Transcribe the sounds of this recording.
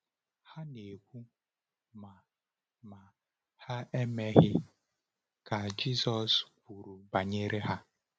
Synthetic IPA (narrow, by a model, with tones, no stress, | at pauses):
ha˦ne˨kʷu˦ | ma˨ | ma˨ | ha˦e˦me˦ɣɪ˦ | ka˨d͡ʒi˦sɔ˨skʷu˨ɾu˨ba˨ɲe˦ɾe˦ɦa˦